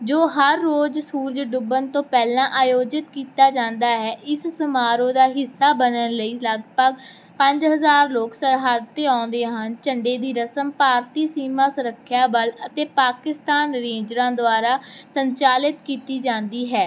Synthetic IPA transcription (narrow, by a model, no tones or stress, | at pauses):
d͡ʒoːɦəɾːoːd͡ʒsuːɾd͡ʒɖʊbənt̪õːpɛːlãːʔaːjoːd͡ʒɪt̪kiːt̪aːd͡ʒãːnd̪aːɦɛːʔɪssəmaːɾõːd̪aːɦɪsːaːbənənləiːləɡpəɡ | pə̃ɲd͡ʒɦəzaːɾloːksəɾɦaːd̪t̪eːãːnd̪eːɦənt͡ʃəɳɖeːd̪iːɾəsəmpaːɾt̪iːsiːmãːsʊɾəkʰːjaːbələt̪eːpaːkɪst̪aːnɾeːd͡ʒɾãːd̪ʊaːɾaːsəɲt͡ʃaːlɪt̪kiːt̪iːd͡ʒãːnd̪iːɦɛː